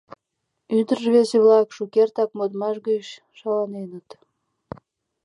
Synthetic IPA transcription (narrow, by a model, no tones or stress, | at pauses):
yd̪ərəʒβeseβlɑkʃukert̪ɑk̚mod̪mɑʃ̬ɣəʃ | ʃɑlɑnenə̆t̪